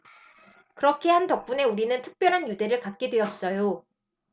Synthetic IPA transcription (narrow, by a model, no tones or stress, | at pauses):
kɯɾʌkʰe̞ɦantʌk̚p͈une̞uɾinɯntʰɯk̚p͈jʌɾɦanjude̞ɾɯɭkat̚k͈edwe̞ʌs͈ʌjo